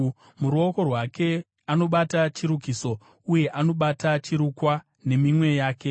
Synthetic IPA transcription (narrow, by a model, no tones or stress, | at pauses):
muɾuo̞ko̞rwake̞ | ano̞ɓatat͡ʃiɾukiso̞ | uje̞ʔano̞ɓatat͡ʃiɾukwa | ne̞mimwe̞jaːke̞